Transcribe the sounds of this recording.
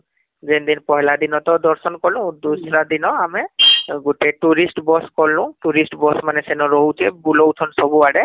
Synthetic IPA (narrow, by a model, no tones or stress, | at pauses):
zɛnd̪inpɔɦɛlad̪inɔt̪ɔd̪ɔɹsɔnkɔlʊ̃d̪usɹad̪inɔamɛɡuʈɛʈuɹisʈbɔskɔlːʊ̃ʈuɹisʈbɔsmanɛsɛnɔɹɔɦut͡ʃʰɛbulowt̪ʰɔnsɔbuaɽɛ